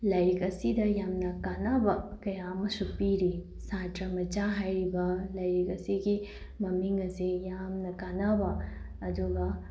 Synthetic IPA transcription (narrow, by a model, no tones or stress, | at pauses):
lɐjikɐsid̪ɐjamnɐkanɐbɐkɐjaːmɐsupiːɾi | sãːtɾɐmɐt͡ʃaːɦɐɾibɐlɐjikɐsiki | mɐmiŋɡɐsijaːmnɐkanabɐ | ɐd̪uɡɐ